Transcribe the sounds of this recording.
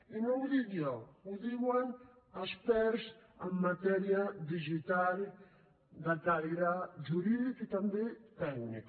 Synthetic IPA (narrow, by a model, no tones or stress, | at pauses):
inoŋðiðɔuðiwaŋ | aspɛɾsamːat̪ɛɾjad̪iʒit̪al | d̪at̪aliɾaʒuɾiðikit̪ambet̪ɛknik